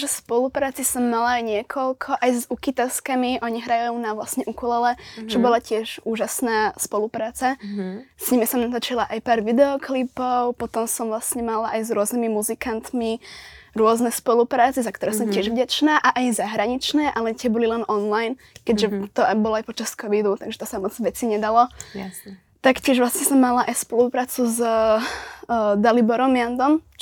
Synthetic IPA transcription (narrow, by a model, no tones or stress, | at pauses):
ʒɛspɔlupɾaːt͡sisɔmːalajɲɪɛkʰɔlkʰɔʔajzukit̪ɛskamiʔɔɲiɦɾajjuːnaʋlasɲɛʔukulɛlɛt͡ʃɔbɔlacɪɛʒuːʒasnaːspɔlupɾaːt͡sasɲimisɔmnat̪at͡ʃilaʔajpaːɾʋid̪ɛɔklipɔʊpɔt̪ɔmsɔmʋlasɲɛmalaʔajzɾʊɔznimimuzikant̪miɾʊɔznɛspɔlupɾaːt͡sɛzakt̪ɔɾɛːsɔmcɪɛʒʋɟat͡ʃnaːʔaʔajzaɦɾaɲit͡ʃnɛːʔalɛt̪ɪɛbɔlilɛnʔɔnlajn | kɛɟʒɛt̪ɔbɔlajpɔt͡ʃaskɔʋid̪ut̪aɡʒɛ̥t̪ɔsamɔd͡zʋɛt͡siɲɛd̪alɔ | t̪akcɪɛʒʋlˠasɲɛsɔmːalaʔajspɔlupɾaːt͡suz | d̪alibɔɾɔmjand̪ɔm